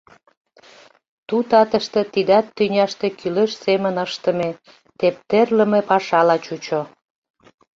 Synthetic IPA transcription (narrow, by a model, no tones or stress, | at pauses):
t̪ut̪ɑt̪əʃt̪ĕt̪id̪ɑt̪ːynʲɑʃt̪ekyleʃsemənəʃt̪ə̆me | t̪ep̚t̪erlə̆mepɑʃɑlɑt͡ɕut͡ɕo